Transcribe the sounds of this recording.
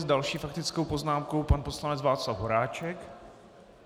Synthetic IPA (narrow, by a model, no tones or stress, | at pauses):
zdalʃiːfak̚t̪ɪt͡skowpo̞znaːmkowpanpo̞slanɛt͡svaːt͡slavɦo̞ɾaːt͡ʃɛk